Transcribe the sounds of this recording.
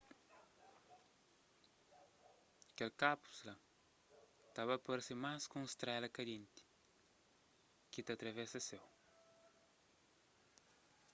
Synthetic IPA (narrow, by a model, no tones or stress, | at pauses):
kelkapu̥sla | t̪aβɐpoɾsimaskũŋst̪ɾɛlɐkɐd̪ĩnt̪i̥ | kit̪ɐt̪ɾɐvesɐsew